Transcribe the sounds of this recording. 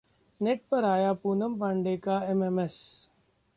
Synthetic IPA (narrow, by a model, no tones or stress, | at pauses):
neʈ̚pɐɾaːjaːpuːnəmpãɳɖeːkaːememes